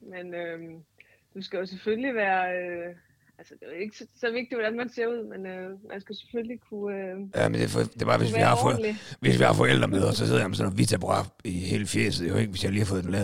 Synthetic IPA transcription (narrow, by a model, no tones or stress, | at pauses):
menøm | d̥usɡ̥æjo̝sefølliʋæːɐø | ælsəd̥e̝æe̝ɡ̥əssɒ̽ʋe̝ɡ̥̚d̥iʋɒd̥ænmænse̝ɐuð̰ˠmenømʔænsɡ̥æjose̥føllikʰuøjæmend̥efd̥e̝bɑ̈ːʋesʋihɑ̈fɔʋe̝sʋihɑ̈fɒ̽el̰d̥ʁɐmeðˠɐsɒ̽hḛð̰ˠjmsɔnɒʋit͡sʰæb̥ʁɑ̈ihe̝ːləfjḛːsð̩ˠjoe̝ɡ̥əʋesjɑhliːhɑfɔ̽ːð̩ˠdenlɛːð